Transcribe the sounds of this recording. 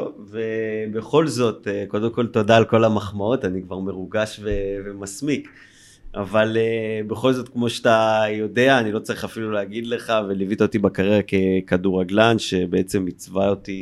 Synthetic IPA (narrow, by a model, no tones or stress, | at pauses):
vebe̞χo̞lzo̞t̪eko̞d̪e̞mko̞lt̪o̞daːlko̞lamaχmao̞tanikvaʁme̞ʁuɡaʃvevemasmik | avalebe̞χo̞lzo̞tkmo̞ʃeat̪ajo̞de̞aːnilo̞t͡saʁiχafiluleaɡid̪le̞χavelivit̪ot̪ibakaʁeʁakekaduʁaɡlanʃe̞beet͡se̞mːit͡svaoti